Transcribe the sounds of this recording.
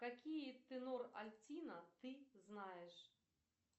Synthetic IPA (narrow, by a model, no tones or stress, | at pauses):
kakʲijɛt̪ɨnɔrɐlʲt͡sʲinɐt̪ɨznajɛʂ